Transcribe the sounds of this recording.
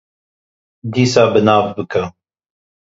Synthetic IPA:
d̪iːsɑːbɨnɑːvbɨkʰɐ

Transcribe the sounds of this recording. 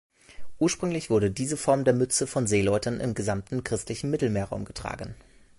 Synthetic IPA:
ʔuːɐʃpʁ̥ʏŋlɪçv̥ʊɐɾədiːzəfɔɐmdeːɐmʏt͡səfɔnzeːlɔʏtənʔɪ̰mɡəzamtn̩kʁ̥ɪstlɪçn̩mɪtl̩meːɐʁa̰ʊmɡətʁ̥a̰ːɡən̩

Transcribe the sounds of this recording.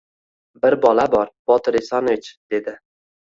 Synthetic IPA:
bɪɾbɒlabɒɾb̥ɒt̪ɪɾɪsɒnvɪt͡ʃd̪̥e̞d̪ɪ

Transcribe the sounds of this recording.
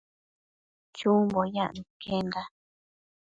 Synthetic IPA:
t͡ʃumbojã̰ʔnũkenɡa

